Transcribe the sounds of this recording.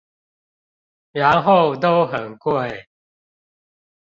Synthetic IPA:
ɻa˨˦nɦo˥˨ʊt̪̬o˦ʊɦə˨˩nkwe˥˨ɪ

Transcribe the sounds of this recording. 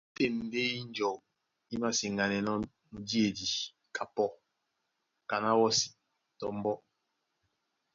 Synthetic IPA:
te˦˨m˨be˦i˦n˦d͡ʒɔ˨k̚ | i˦ma˦si˨ŋɡa˨nɛ˨nɔ˦ | nu˨di˦e˨di˨ | kʰa˨pɔ˦ | ka˨na˦wɔ˦si̥˨ | tɔ˨m˦bɔ˦

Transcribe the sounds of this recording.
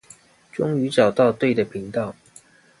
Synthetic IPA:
ʈ͡ʂʊ˥ŋy˧˦ʈ͡ʂɑ˨˩ʊt̪ɑ˥˧ʊt̪we˥˩ɪd̪ə˩pʰi˧˥ŋt̪ɑ˥˨ʊ

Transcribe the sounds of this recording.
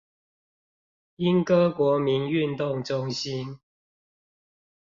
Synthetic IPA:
i˦nkɤ˦kwɔ˨˥mi˨˦ny˥˨nt̪ʊ˥˨ŋʈ͡ʂʊ˦ŋɕi˦n

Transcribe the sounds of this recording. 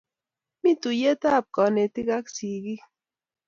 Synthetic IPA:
mi˦tu˨je˦ta˦˨p̚kɔ˨ne˨ti˦ka˦ksi˨ɡi˦

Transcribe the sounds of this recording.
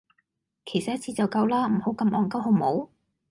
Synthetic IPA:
kʰe˨˩jsɐ˨t̚jɐ˥t̚t͡sʰiː˧t͡sɐ˨wkɐ˧wlaː˥m̩˨˩ho˨˥wkɐ˧mʔɔː˨ŋkɐ˥wɦo˧mo˨˥w

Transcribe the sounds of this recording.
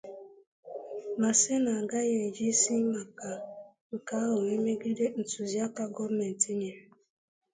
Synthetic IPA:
ma˨se˦na˨a˨ɡa˦je˨d͡ʒi˦si˦ma˨ka˨ | ŋ̩˨ka˦ɦʊ˨e˦me˦ɡi˦de˦n̩˨tu˨zi˦a˦ka˦ɡɔ˦ɾme˨n˨ti˦ɲe˨

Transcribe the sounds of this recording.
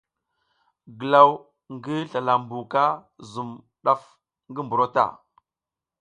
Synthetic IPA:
ɡə˨la˦w | ŋɡi˦ɬa˨la˨mbu˨ka˦ | zu˨m | ɗa˦f | ŋɡi˦mbu˨ɾo˦ta̰˦˨

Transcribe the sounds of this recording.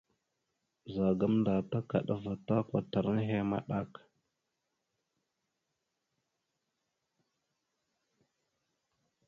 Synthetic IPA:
za˨ɡa˦mnda˨ta˦ka˨ɗa˦va˨ta˦kʷa˨ta˨ɾn˦ɦe˦ma̰˦ɗa˦k

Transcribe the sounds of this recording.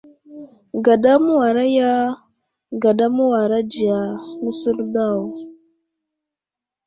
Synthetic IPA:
ɡa˨da˦mu˦wa˨ɾa˦ja˦ | ɡa˨da˦mu˦wa˨ɾa˦d͡ʒi˨ja˨mu˦sə˦ɾda˦˨w

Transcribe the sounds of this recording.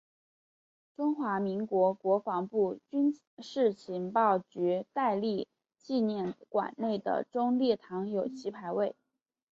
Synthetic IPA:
ʈ͡ʂʊ˥ŋxwa˧˥mi˧˥ŋkwɔ˧˥kwɔ˧˥fɑ˧˥ŋpu˥˩t͡ɕy˥n | ʂɻ̩˥˩t͡ɕʰi˧˥npɑ˥˩ʊt͡ɕy˧˥t̪a˥˧ɪli˥˧ | t͡ɕi˥˧njɛ˥˩nkwa̰˨˩nne˥˩ɪd̪ə̰˩ʈ͡ʂʊ˥ŋljɛ˥˩t̪ʰɑ˧˥ŋjo˨˩ʊt͡ɕʰi˧˥pʰa˧˥ɪwe˥˩ɪ

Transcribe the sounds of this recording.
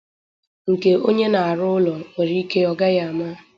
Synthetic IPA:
ŋ̩˨ke˨o˦ɲe˦na˨a˨ɾʊ˦ʊ˦lɔ˨o˨ɾi˦i˦ke˦ɔ˦ɡa˦ja˦a˨ma˦

